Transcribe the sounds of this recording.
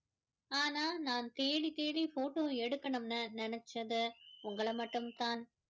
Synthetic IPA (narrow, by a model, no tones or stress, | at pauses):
aːnaːnaːnt̪eːɽit̪eːɽifoːʈoːɛɽɯkːɐɳɯmnɐnɪnɛt͡ʃːɐðɯʊŋɡɐɭɐmɐʈːɯmt̪aːn